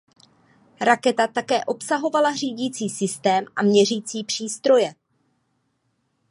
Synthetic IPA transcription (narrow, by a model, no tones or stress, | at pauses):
ɾakɛt̪at̪akɛːʔo̞psaɦo̞valariːɟiːt͡siːsɪst̪ɛːmʔamɲɛriːt͡siːpr̝̥iːst̪ɾo̞jɛ